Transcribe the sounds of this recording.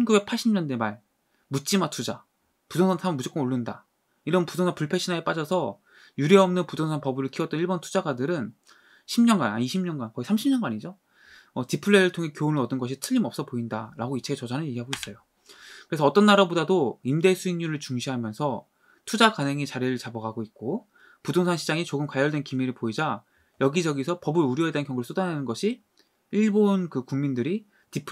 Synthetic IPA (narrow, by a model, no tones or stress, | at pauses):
ʌnɡube̞k̚pʰaɭɕʰimɲʌndwemaɭ | mut͡ɕ͈imatʰud͡ʑa | pudʰoŋsʰansʰamʌnmud͡ʑok͈ɯnoɭːunda̰ | iɾʌnpudʰoŋapuɭpʰe̞ɕʰinaep͈ad͡ʑʌsʰʌ | juɾiʌmnɯnpudʰoŋsʰanpʌbɯɾɯɭkʰiʌt͈niɭbʌntʰud͡ʑaɡadɯɾɯn | ɕʰimɲʌnɡa̰na̰iɕʰimɲʌnɡankʌɡisʰamɕʰimɲʌnɡaɲid͡ʑo | ʌtipʰɯɭːeɾɯɭtʰoŋɦe̞kjoːnɯɾʌdɯnɡʌɕʰitʰɯʎːimʌp̚s͈ʌpoindaɾaɡoit͡ɕʰeɡet͡ɕʌd͡ʑanɯnjeɡiɦaɡois͈ʌjo | kɯɾe̞sʰʌːt͈ʌnːaɾabodadoimde̞sʰuiɲɲuɾɯɭt͡ɕuŋɕʰiɦamjʌnsʰʌ | tʰud͡ʑakanɦeŋit͡ɕaɾiɾɯɭt͡ɕabʌɡaɡoit̚k͈o | pudoŋsʰaŋɕʰid͡ʑaŋit͡ɕoɡɯmkwaʎːʌɭdwe̞nkimiɾɯɭpoid͡ʑa | jʌɡid͡ʑʌɡisʰʌpʌbɯɾuɾjʌedeankjʌŋɡuɾɯɭs͈ʰodanenɯnɡʌɕʰi | iɭbonkɯkuŋmindɯɾi | tipʰ